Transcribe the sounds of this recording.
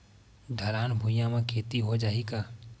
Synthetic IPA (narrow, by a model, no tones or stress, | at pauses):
d̪ʱəɾaːnbʱʊjãmẽkʰeːt̪iɦod͡ʒaːikaː